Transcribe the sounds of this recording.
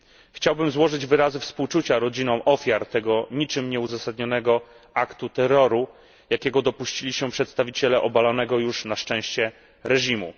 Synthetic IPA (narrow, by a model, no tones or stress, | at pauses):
xt͡ɕawbɘmzwɔʐɘd͡ʑvɘɾazɘfspuwt͡ʂut͡ɕaɾɔd͡ʑinɔ̃w̃ʔɔfʲjaɾt̪ɛɡɔɲit͡ʂɘmɲɛuzasad̪ɲɔn̪ɛɡɔ | akt̪ut̪ɛɾɔɾu | jakʲɛɡɔd̪ɔpuɕt͡ɕilʲiɕɛpʂɛt̪st̪avʲit͡ɕɛlɛʔɔbalɔnɛɡɔjuʂnaʂt͡ʂɛ̃w̃ɕt͡ɕɛ | ɾɛʑimṵ